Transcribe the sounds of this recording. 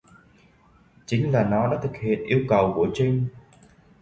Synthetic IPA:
t͡ɕï˨˦ŋ̟laː˨˩nɔ˨˦ɗa̰ː˧˥t̪ʰɨ˨˩k̚hḭ˧˨ənʔi˧əwkə˨˩wku˧˩ət͡ɕï˧ŋ̟

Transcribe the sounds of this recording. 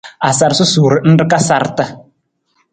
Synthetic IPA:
a˨sa˨ɾsʊ˦su˨ɾɪ˨n̩˦dɪ˦ka˦sa˨ɾta˦

